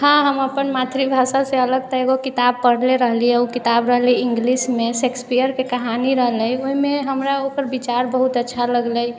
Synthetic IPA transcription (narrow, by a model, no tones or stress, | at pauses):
hãɦəməpənmat̪ʰɾibʱasaseələɡt̪ɔeɡokit̪ab̚pəɽ̤leɾəɦlijɛukit̪abɾəɦliiŋɡlismesekspijəɾkekəɦaniɾəɦləjoimeɦəmɾaokəɾbit͡ʃaɾbəɦut̪ətːʃʰaləɡləj